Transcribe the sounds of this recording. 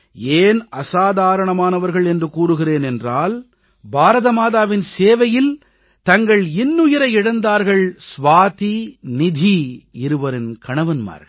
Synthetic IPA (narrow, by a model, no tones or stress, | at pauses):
eːnɐsaːðaːɾɐɳɐmaːnɐʋɐɾɣɐɭɛndrɯkuːrɯɣɪreːnɛndraːl | bʱaːɾɐðɐmaːðaːʋɪnseːʋɐjɪl | t̪ɐŋɡɐɭɪnːʊjɐɾɐɪɪɽɐnd̪aːɾɣɐɭsʋaːt̪inɪd̪ʱiɪɾɯʋɐɾɪnkɐɳɐʋɐnma̰ːɾɐ